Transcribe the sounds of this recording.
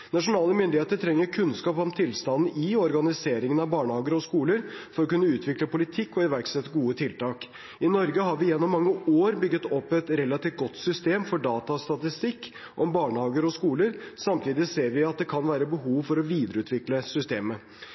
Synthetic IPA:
nɑʂʊnɑːləmʏnd̪ɪheːt̪əʈʰɾɛŋːəɾkʰʉnskɑːpɔmt̪ʰɪlst̪ɑnn̩ɪɔɾɡɑnɪseːɾɪŋənɑʋbɑːɳəhɑːɡəɾɔskuːləɾfɔɾɔkʉnːəʉːt̪ʰʋɪkləpʊlɪt̪ʰɪkːɔɪʋæɾksɛt̪ːəɡuːət̪ʰɪlt̪ɑːk | ɪnɔɾɡəɦɑɾʋɪjɛnːɔmːɑŋːəoːɾbʏɡːət̪ɔpːɛt̪ɾɛlːɑt̪iːft̪̚ɡɔt̪sʏst̪eːmfɔɖɑːt̪ɑst̪ɑt̪ɪst̪ɪkː | ʔɔmbɑːɳəhɑːɡəɾɔskuːləɾsɑmt̪ʰiːd̪ɪseːɾʋɪɑt̪̚d̪ɛkʰɑnʋæːɾəbəɦuːʋfɔɾɔʋiːd̪əɾəʉːt̪ʰʋɪkləsʏst̪eːmə

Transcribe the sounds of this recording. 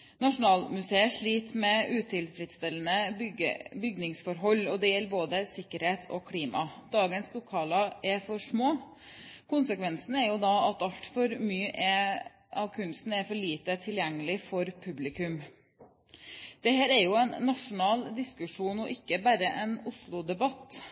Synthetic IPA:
nɑʂʊnɑːlmʉseːəʂɭiːt̪mɛʉːt̪ʰɪlfɾɪd̪st̪ɛlənə | bʏɡnɪŋsfɔɾɦɔlːɔd̪ɛjɛlːboːd̪əsɪkːəɾheːt̪ʰɔ̰kʰliːmɑ̰d̪̥ɑːɡənslʊkʰɑːlɑɛɾfɔʂmoː | kʰʊnsəkʰʋɛnsn̩æɾjʊd̪ɑɑt̪ɑlt̪fɔɾmyːəʔɛ | ʔɑʋkʰʉnst̪n̩æɾfɔɭiːt̪ət̪ʰɪljɛŋːəlɪfɔɾpʰʉblɪkʉm | d̪̥ɛhæːɾæɾjʊɛnːɑʂʊnɑːld̪ɪskʉʂuːnɔʔɪkːəbæɾəʔɛnʊslʊd̪ɛbɑt̪ː

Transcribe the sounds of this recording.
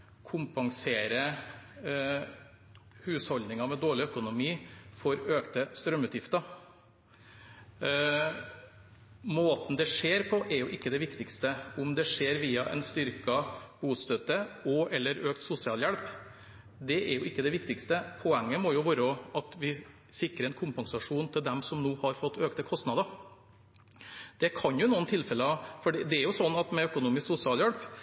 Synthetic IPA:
kʰʊmpɑŋseːɾə | hʉːshɔld̪nɪŋɑmɛd̪oːɭɪœkʊnʊmiːfɔɾøːkt̪əst̪ɾœmːʉːt̪jɪft̪ɑ | moːt̪n̩d̪ɛʂeːɾpʰɔʔɛɾjʊʔɪkːəd̪ɛʋɪkt̪ɪkst̪əʊmd̪ɛʂeːɾʋiːɑʔɛ̰nst̪ʏɾkɑbuːst̪œt̪ːəɔʔɛlːəɾøːkt̪sʊsɪɑːljɛlp | d̪ɛʔɛɾjʊɪkːəd̪ɛʋɪkt̪ɪkst̪əpʰɔɛŋːəmɔjʊʋoːɾɔɑt̪ʋɪ | sɪkɾəɾɛnkʰʊmpɑnsɑʂuːnt̪ʰɪld̪ɛmsɔmnoːhɑɾfɔt̪ːøːkt̪əkʰɔst̪nɑd̪ɑ | d̪̥ɛkʰɑnjʊnuːənt̪ʰɪlːfɛləɑfɔɖiːd̪ɛæɾjʊsɔnːɑt̪mɛœkʊnuːmɪsksʊsɪɑːljɛlp

